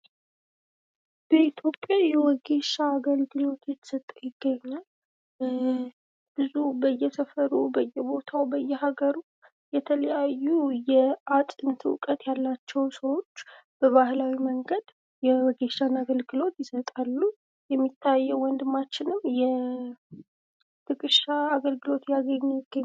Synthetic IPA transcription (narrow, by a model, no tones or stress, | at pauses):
b̥əit̪ʰjo̞pʼjajɛwɔɡe̞ʃaːɡəlɡɨlo̞t̪jɛt̪ʰːə̥sət̪ʼːəjɪɡːəɲːal | b̥ɨzubəjːɛsəfəɾubəjːɛbo̞t̪ʰawbəjːɛhaɡəɾu | jɛt̪ʰələjajːujɛat̪ʼɨnt̪ʰɨwkʼət̪jalːat͡ʃːɛwsəwo̞t͡ʃː | b̥əβahlawiməŋɡəd̪ | jɛwɔɡeʃanaɡəlɡɨlo̞t̪jɪsət̪ʼalːu | jɛmːit̪ʰːajːɛwwɔnd̪ɨmːat͡ʃːɪnɨmjɛ | t̪ʰɨkʼɨʃaːɡəlɡɨlo̞t̪jaɡəɲːjɪɡːəɲ